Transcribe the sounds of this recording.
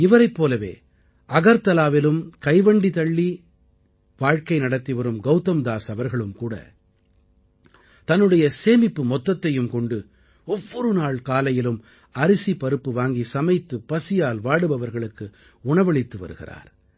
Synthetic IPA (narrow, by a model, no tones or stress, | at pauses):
ɪʋɐɾɐɪpːoːlɐʋḛː | ʔɐɣɐɾt̪ɐlaːʋɪlɯmkɐɪʋɐɳɖit̪ɐɭːi | ʋaːɻkɐɪnɐɽɐt̪ːiʋɐɾɯmɡɐʊt̪ːɐmd̪aːsɐʋɐɾɣɐɭɯmkuːɽɐ̰ | t̪ɐnːɯɽɐjɐseːmɪpːɯmɔt̪ːɐt̪ːɐjɯmkɔɳɖɯ | ɔʋːɔɾɯnaːɭkaːlɐjɪlɯm | ɐɾɪsipɐɾɯpːɯʋaːŋɡisɐmɐɪt̪ːɯpɐsɪjaːlʋaːɽɯbɐʋɐɾɣɐɭɯkːɯ | ʊɳɐʋɐɭɪt̪ːɯʋɐ̰ɾɯɣɪ̰ra̰ːɾ